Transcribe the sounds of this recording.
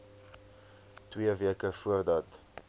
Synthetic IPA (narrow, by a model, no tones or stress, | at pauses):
twiəviəkəfuərdɐt